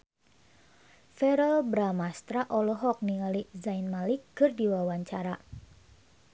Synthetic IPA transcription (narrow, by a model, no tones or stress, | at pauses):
fɛɾɔlbɾamast̪ɾaʔɔlɔɦɔk̚niŋalizainmalikːɨrdiwawaɲt͡ʃaɾa